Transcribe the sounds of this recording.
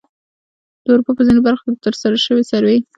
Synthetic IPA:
d̪̥əuɾupapəzinebaɾxo̥kʲed̪ət̪əɾsaɾaʃəwesaɾwe

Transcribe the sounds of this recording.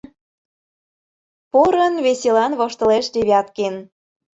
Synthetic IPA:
poɾənβeselɑnβoʃt̪ə̆leʃd̪eβʲɑt̪ken

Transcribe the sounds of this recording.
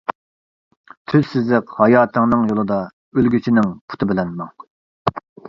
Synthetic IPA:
t̪ʰyzsɪzlɪqhɑjɑːt̪ʰəŋnɨŋjolˠɨd̪ɑ | ølɡʲyt͡ʃʰinɪŋpʰu̥t̪ʰɨbɪlɛnmɑŋ

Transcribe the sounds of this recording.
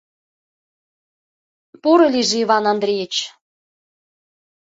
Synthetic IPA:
puɾɤ̆lʲiʒiβɑnɑnd̪ɾʲijet͡ɕ

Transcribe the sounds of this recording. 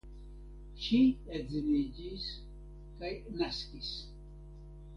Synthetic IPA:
ʃiɛd͡znid͡ʒis | kʼajnaskʼis

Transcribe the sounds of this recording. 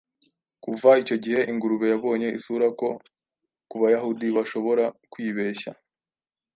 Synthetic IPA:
kuvait͡ʃo̞ɟihe̞ʔiŋɡuɾuβe̞jaβo̞ːɲe̞ʔisuɾako̞ | kuβajahudiβaʃo̞βo̞ɾakwiːβe̞ːʃa̰

